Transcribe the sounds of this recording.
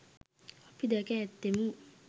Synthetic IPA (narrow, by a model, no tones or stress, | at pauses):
ɔpidakɛt̪emu